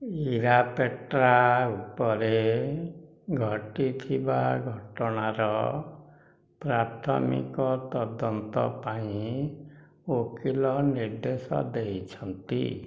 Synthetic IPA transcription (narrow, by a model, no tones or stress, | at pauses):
iɾapeʈɾaupɔɾe | ɡʱɔʈit̪ʰibaɡʱɔʈɔɽ̃aɾɔ | pɾat̪ʰɔ̰mḭkɔt̪ɔd̪ɔnt̪ɔ̰paĩ | okilɔniɾd̪esɔ̰d̪eit͡ʃʰɔnt̪ḭ